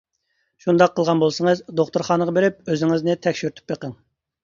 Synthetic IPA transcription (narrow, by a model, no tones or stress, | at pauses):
ʃund̪ɑqʰːəlˠʁɑnbolˠsəŋəzd̪oχt̪uɾχɑːnəʁɑbeɾɪp̚øzɪŋɪznɪt̪ʰɛkʲʃyɾt̪ʰy̥pjeqəŋ